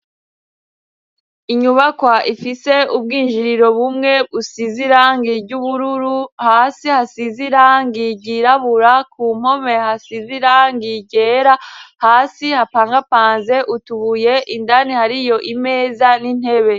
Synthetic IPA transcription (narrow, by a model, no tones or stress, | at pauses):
iɲuβakwaʔifise̞ub̚ɡiːnʒiɾiɾo̞βumŋe̞βusiziɾaːŋɡibɟuβuɾuɾuhaːsihasiziɾaːŋɡiɟiɾaβuɾakʰuːm̥ho̞me̞hasiziɾaːŋɡiɟe̞ːɾahaːsihapaːŋɡapaːnze̞ʔutuβuje̞ʔindanihaɾijo̞ʔime̞ːzanin̥he̞βe̞